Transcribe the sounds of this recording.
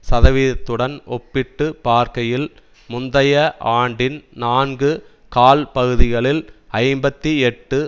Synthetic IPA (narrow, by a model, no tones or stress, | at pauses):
sɐðɐʋɪɐt̪ːɯɽɐnɔpːɪʈːɯpaːɾkɐjɪl | mʊnd̪ɐjɐʔaːɳɖɪnnaːnɡɯ | kaːlpɐɣɯðɪɣɐɭɪlɐɪmbɐt̪ːiɛʈːɯ